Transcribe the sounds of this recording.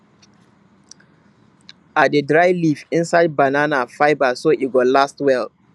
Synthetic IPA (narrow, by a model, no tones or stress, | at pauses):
at̚dədɹaɪlifɪ̃nsaɪd̚bananafaɪbasoʔiɡɔlastwɛl